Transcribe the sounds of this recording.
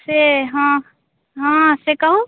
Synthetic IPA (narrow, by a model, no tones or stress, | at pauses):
seɦã | ɦãsekɐɦũ